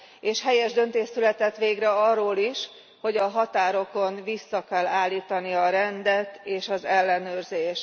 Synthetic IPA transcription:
eːʃhɛjɛʒd̪ø̞n̪t̪eːʃsylɛt̪ɛt̪ʋeːɡrɛɒrːoːliʃ | ho̞ɟɒɦɒt̪aːɾo̞ko̞nvisːɒkɛlːaːlːiːt̪ɒniɒɾɛnd̪ɛt̪eːʃɒzɛlːɛnøːrzeːʃ

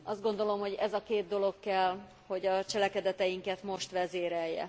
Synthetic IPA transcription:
ɒzd̪ɡo̞nd̪o̞lo̞mho̞ɟɛzɒkeːd̪̚d̪o̞lo̞kːɛl | ho̞ɟɒt͡ʃɛlɛkɛd̪ɛt̪ɛjiŋkɛt̪mo̞ʃt̪ʋɛzeːɾɛjːɛ̰

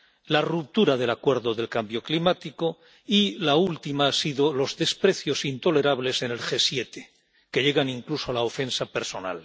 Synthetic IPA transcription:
larup̚t̪uɾaðe̞lakwe̞ɾðo̞ðe̞lkambjo̞klimat̪iko̞ | ilault̪imaasiðo̞lo̞zðe̞spɾe̞θjo̞sint̪o̞le̞ɾaβ̞le̞se̞ne̞lxe̞sje̞t̪e̞ | ke̞ʎe̞ɣ̞anĩŋklusoalaofe̞nsape̞ɾso̞na̰l

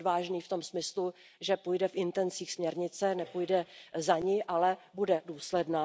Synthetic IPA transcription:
vaːʒniːft̪o̞msmɪslu | ʒɛpujdɛfʔɪnt̪ɛnt͡siːxsmɲɛɾɲɪt͡sɛnɛpujdɛzaɲɪʔalɛbudɛduːslɛdnaː

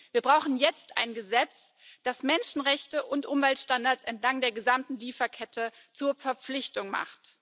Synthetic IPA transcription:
viːɐbʁaʊxn̩jɛt͡sta̰ɪnɡəzɛt͡sd̥asmɛnʃn̩ʁɛçtəʔʊntʔʊmvɛltʃtandaːɐt͡sɛntlaŋdeːɐɡəzamtn̩liːfɐkʰɛtʰə | t͡suːɐfɛɐp͡flɪçtʊŋma̰χt

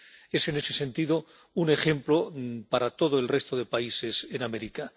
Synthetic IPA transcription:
e̞se̞ne̞sesẽ̞nt̪iðo | une̞xẽ̞mplo̞paɾat̪o̞ð̞oe̞lre̞st̪oðe̞paise̞sename̞ɾika

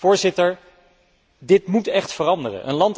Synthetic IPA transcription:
ʊːɹzɪtəɹ | dɪtmutɛχtfərɑndərə̰nʔə̰nlɑnt

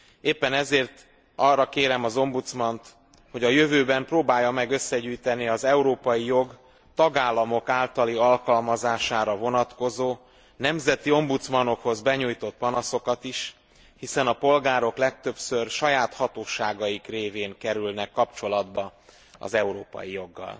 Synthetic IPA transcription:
eːpːɛnɛzeːrt̪ | ɒrːɒkeːɾɛmɒzo̞mbut̪smɒnt̪ | ho̞ɟɒjøvøːbɛmproːbaːjːɒmɛɡø̞sːɛɟyːjt̪ɛniɒzɛuɾoːpɒjijo̞ɡ | t̪ɒɡaːlːɒmo̞kaːlt̪ɒliɒlkɒlmɒzaːʃaːɾɒvo̞nɒt̪ko̞zoː | nɛmzɛt̪io̞mbut̪smɒno̞kho̞zbɛɲuːjt̪o̞t̪̚pɒnɒso̞kɒt̪iʃ | hisɛnɒpo̞lɡaːɾo̞klɛk̚t̪ø̞psørʃɒjaːt̪hɒt̪oːʃaːɡɒjikreːveːŋkɛɾylnɛkːɒpt͡ʃo̞lɒd̪bɒ | ɒ̰zɛuɾoːpɒ̰jijo̞ɡːɒ̰l

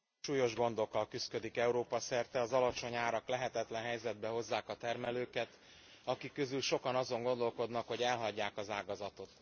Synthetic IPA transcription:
ʃuːjo̞ʒɡo̞nd̪o̞kːɒlkyskø̞d̪ikɛuɾoːpɒsɛrt̪ɛɒzɒlɒt͡ʃo̞ɲaːɾɒklɛɦɛt̪ɛt̪lɛnɦɛjzɛd̪̚bɛɦo̞zːaːkɒt̪ɛrmɛløːkɛt̪ | ɒkikːø̞zylʃo̞kɒnɒzo̞ŋɡo̞nd̪o̞lko̞d̪nɒkho̞ɟɛlɦɒɟːaːkɒzaːɡɒzɒt̪o̞t̪

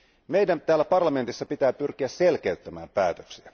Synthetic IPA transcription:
mejdænt̪æːlːæpɑrlɑme̞nt̪isːɑpit̪æːpyrkiæsselkeyt̪ːæmæːmpæːt̪øksiæ

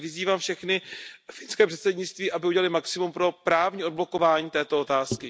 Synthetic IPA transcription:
vɪziːvaːmfʃɛxnɪfɪnskɛːpr̥ɛt̪sɛdɲɪt͡st̪viːʔabɪuɟɛlalɪmaksɪmumpɾo̞pɾaːvɲiːo̞d̪̚blo̞ko̞vaːɲiːt̪ɛːt̪oot̪aːskɪ

